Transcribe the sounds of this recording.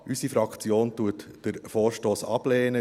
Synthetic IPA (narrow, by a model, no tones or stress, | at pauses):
ʔysifɾɑkt͡sjoːntuətd̥əɾfoːɾʃtoːsɑb̥lɛːnə